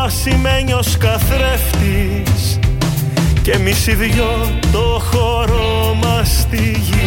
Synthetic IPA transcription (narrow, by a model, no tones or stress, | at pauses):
ɐsime̞ɲio̞skɐθɾe̞ft̪i | s | ce̞misiðʝo | t̪o̞xoɾo | mɐst̪iʝi